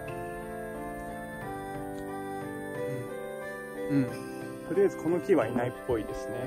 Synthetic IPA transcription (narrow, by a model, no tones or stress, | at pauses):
ɯ̃ɴ | ɯ̟̃ɴ | t̪oɾʲiazɨkʰo̞no̞kʲiβainaipːo̞id̪e̞sɨne̞